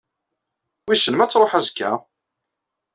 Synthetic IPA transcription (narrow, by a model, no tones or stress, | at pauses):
wisənmæt͡sːɾˤoħæzkːæ̰